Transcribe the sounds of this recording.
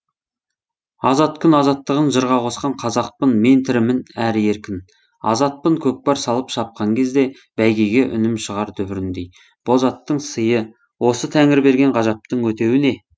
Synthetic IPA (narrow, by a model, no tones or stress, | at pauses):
ɑzɑt̪kʰʲʏnɑzɑt̪ːəʁənʒəɾʁɑqʰo̞sqɑɴqʰɑzɑq̚pənme̞nt̪ʰɪɾɪmɪnæɾje̞ɾkʲɪn | ɑ̰zɑt̪̚pəɴkʲʰɵk̚pɑɾsɑlˠəpʃɑp̚qɑŋkʲʰezd̪e̞ | b̥æjɡʲejɡʲeʔʏ̰nɪmʃəʁɑɾt̪ʰʏbɪɾɪnd̪ej | b̥o̞zɑt̪ːəɴsəjə | wo̞sət̪ʰæŋɪɾbe̞ɾɡʲe̞ɴʁɑʒɑp̚t̪əɴwɵt̪e̞wɪne̞